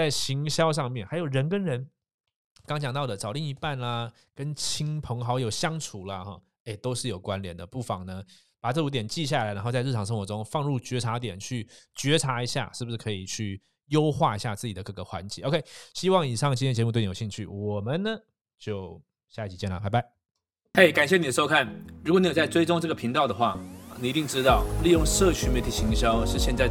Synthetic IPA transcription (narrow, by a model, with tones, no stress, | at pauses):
t͡sa˥˩ɪɕi˧˥ŋɕjɑ˥ʊʂ̬ɑ˥˧ŋmjɛ˥˩nxa˧˥ɪjo˨˩ʊɻə˧˦nkə˥nɻə˧˦n | kɑ˥ŋt͡ɕjɑ˨˩ŋt̪ɑ˥˩d̪ə˩t͡sɑ˨˩ʊli˥˩ŋi˧˥pa˥˩nlɐ˩ | kə˦nt͡ɕʰi˥ŋpʰɤ˧˥ŋxɑ˧˥ʊjo˨˩ʊɕjɑ˥ŋʈ͡ʂʰu˨˥lɐ˦xɔ˥˩ | e˥˩ɪt̪o˥ʊʂɻ̩˥˩jo˨˩ʊkwa˦nljɛ˨˩˦nd̪ə˦˩pu˥˩fɑ˨˩ŋnə˦ | pa˨˩ʈ͡ʂɤ˥˩wu˧˥t̪jɛ˨˩nt͡ɕi˥˧ɕ̬ja˥˩la˨˥ɪna˧˥nxo˥˧t͡sɻ̩˥˩ʈ͡ʂʰɑ˨˩ŋʂə˥ŋxwɔ˧˥ʈ͡ʂʊ˥ŋfɑ˥˧ŋɻu˥˩t͡ɕɥɛ˧˥ʈ͡ʂʰa˧˥t̪jɛ˨˩nt͡ɕʰy˥˩t͡ɕɥɛ˧˥ʈ͡ʂʰa˧˥i˧˥ɕja̰˥˧ʂɻ̩˥˩bu˩ʂɻ̩˥˩kʰɤ˧˥i˨˩t͡ɕʰy˥˩ | jo˥ʊxwa˥˧i˧˥ɕja˥˧t͡sɹ̩˥˩t͡ɕi˨d̪ə˦kɤ˥˩ɡə˩xwa̰˧˥nt͡ɕɛ̰˧˦o˧kʰe˥ɪɕi˥wɑ˥˩ŋi˨˩ʂɑ˥˩ŋt͡ɕi˥jt͡ɕmu˥˧t̪̬jɕi˥˧ŋt͡ɕʰy̰˥˩wɔ˨˩mə˦nnə˦ | t͡ɕjo˥˩ʊ | ɕja˥˧i˥t͡ɕʰi˨˩t͡ɕjɛ˥˩nlə̰˩pa˨˩ɪba˧˥˦ɪ | xe˥˩ɪka˨˩nɕjɛ˥˩ni˨d̪ə˦ʂo˥kʰa˥˩nɻu˧˥kɔ˨˩ni˨˥jt͡sa˥˩ɪʈ͡ʂwe˥ɪʈ͡ʂʊ˥ŋʈ͡ʂɤ˥˩ɡə˩pʰi˧˥ŋt̪ɑ˥˩ʊd̪ə˩xwa˥˩˨ni˨˩i˧˥i˥˩ŋʈ͡ʂɻ̩˥t̪ɑ˥˩ʊli˥˧jʊ˥˧ŋʂɤ˥˨t͡ɕʰy˧˥nme˧˥ɪt̪ʰi˨˩ɕʰi˧˥ŋɕjɑ˥ʊʂɻ̩˥˧ɕjɛ˥˧nt͡sa˥˧ɪ